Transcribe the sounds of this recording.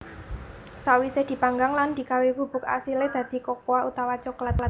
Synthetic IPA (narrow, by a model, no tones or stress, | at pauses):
sawisɪhd̪̥i̤paŋɡaŋland̪̥i̤kawibṳb̥ʊk̚a̰siled̪̥a̤d̪̥i̤kokoaʔut̪awat͡ʃɔklat̪̚l